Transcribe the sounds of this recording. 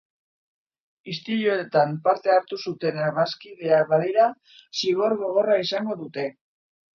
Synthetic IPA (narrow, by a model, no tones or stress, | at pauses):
ist̪iɾjoet̪ampaɾt̪e̞aɾt̪usut̪e̞neɾaɣaskiðe̞aβaðiɾa | siɣo̞ɾɣo̞ɣ̞o̞raisaŋɡo̞ðut̪e̞